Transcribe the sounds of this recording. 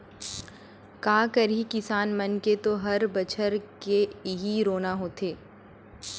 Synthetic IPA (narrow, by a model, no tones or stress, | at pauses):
kaːkəɾɦikɪsaːnmɐnket̪oɦɐɾbɐt͡ʃʰəɾkeɦiɾoːnaɦoːt̪ʰeː